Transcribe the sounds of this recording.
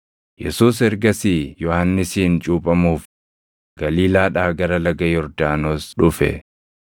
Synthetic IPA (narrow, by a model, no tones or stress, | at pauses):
jɛ̰suːs̬ɛɾɡɐsijɔhanːɪsiːnt͡ʃʼuːpʼɐmuːf | ɡ̥ɐliːlaːᶑaːɡɐɾɐlɐɡɐjɔɾd̪aːnoːsᶑʊfɛ̰